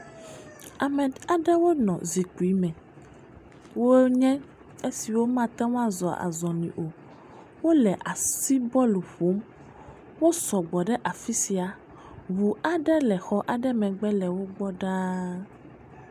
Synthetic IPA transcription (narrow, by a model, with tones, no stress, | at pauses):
a˨mɛ̃˨a˨ɖɛ˦wo˦nɔ̃˨zi˨ku˨i˦mɛ̃˨ | wo˦ɲɛ̃˦ | e˦si˨wo˦mã˦t̪ɛ˦wõ˦ã˦zɔ˨a̰˨zɔ̃˨nĩ˨ʔo˨ | wo˦lɛ˨ʔa˨si˦bɔ˦lu˨ɸo˨˦m | wo˦sɔ˨ɡ͡bɔ˨ɖɛ˦ʔa˨fi˦si˨a˨ | βu˨a˨ɖɛ˦lɛ˨xɔ˦ʔa˨ɖɛ˦mɛ̃˨ɡ͡bɛ˦lɛ˨wo˦ɡ͡bɔ˦ɖa˦